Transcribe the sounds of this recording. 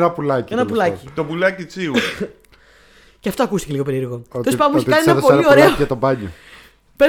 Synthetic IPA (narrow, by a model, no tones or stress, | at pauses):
nɐpulɐcenɐpulɐit̪opulɐcit͡siu | ceɐft̪oɐkust̪i̥ceiɣo̞pe̞ɾieɾɣo̞t̪ospɐmeçeɐnenɐpolio̞ɾeoɐt̪obɐɲo | pe